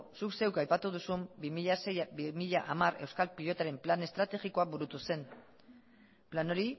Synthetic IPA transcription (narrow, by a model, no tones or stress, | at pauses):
sukse̞wkajpat̪uð̞usumbimiʎasejimiʎaʔamare̞wskalpiʎo̞t̪aɾe̞mplane̞st̪ɾat̪e̞ɣiko̞abuɾut̪use̞n | plano̞ɾi